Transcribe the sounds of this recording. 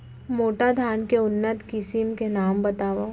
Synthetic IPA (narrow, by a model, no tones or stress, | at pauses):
moːʈad̪ʱaːnkeʊnːət̪kɪsimkenaːmbɐt̪aːʋoː